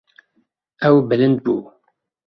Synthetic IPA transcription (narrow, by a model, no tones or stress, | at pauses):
æwbələn̚bu